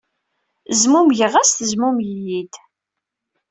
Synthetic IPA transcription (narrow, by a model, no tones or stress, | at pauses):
zmumʝəʁæst̪əzmumjijid̪